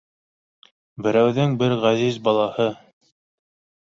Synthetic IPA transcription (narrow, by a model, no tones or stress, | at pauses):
bɘ̆ɾæwðɘŋbɘɾʁæzizbɑlˠɑhɤ